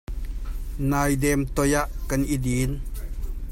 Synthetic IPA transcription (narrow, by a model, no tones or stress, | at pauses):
najdɛmt̪ojaʔkanʔidin